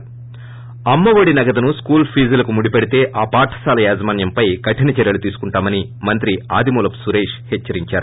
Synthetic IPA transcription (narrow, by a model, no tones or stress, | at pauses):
ɐmːɐʋɐɽinɐɡɐd̪ɐnuskuːlpʰiːzɐlɐkumuɽipeɽit̪e̞ːʔaːpaːʈʰɐ̥saːlɐjaːzɐmaːnjɐmpɐjɡɐʈʰːinit͡ʃɛɾjɐlut̪iːsu̥kuɳʈaːmɐnimɐnt̪ɾiaːd̪imuːlɐpsuɾeːʂhɛt͡ʃːɐɾiɲt͡ʃaːɾu